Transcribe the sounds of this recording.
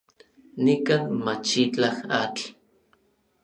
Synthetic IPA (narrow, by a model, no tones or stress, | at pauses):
nikanmat͡ʃit͡ɬaxat͡ɬ